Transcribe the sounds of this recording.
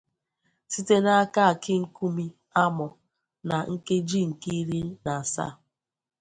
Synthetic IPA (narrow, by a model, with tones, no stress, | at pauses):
si˦te˦na˦a˦ka˦a˨kɪ˦ŋ̩˦ku˦mi˦ | a˦mɔ˨ | na˨ŋ̩˦ke˦d͡ʒi˦˨ŋ̩˨ki˦ɾi˦na˨sa̰˦˨